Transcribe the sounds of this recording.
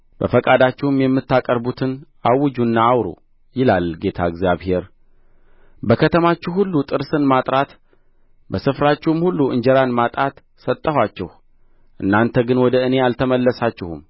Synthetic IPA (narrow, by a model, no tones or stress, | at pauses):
b̥ə̰fəkʼad̪at͡ʃːɪhɨmjɛmːɨt̪ːakʼəɾbut̪ʰɨnʔawɨd͡ʒunːaːwɾṵ | jɪlalːɡe̞t̪ʰaəɡzjaβhe̞ɾ | bəkʰət̪ʰəmat͡ʃːɛhulːut̪ʼɨɾsɨnmat̪ʼɾat̪ | bəsɨfɾat͡ʃːɛmhulːuɨ̰ɲd͡ʒɛɾanmat̪ʼat̪ | sət̪ʼːəhʷwat͡ʃːɛh | ʔɨnːant̪ʰəɡɨnwɔd̪əɨne̞alt̪ʰəməlːəsat͡ʃːɪhṵm